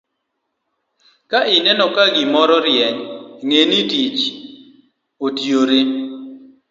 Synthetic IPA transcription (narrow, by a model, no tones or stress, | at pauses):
kaɪnɛnɔkaɡimɔɾɔɾjɛɲŋenitit͡ʃ | otioɾe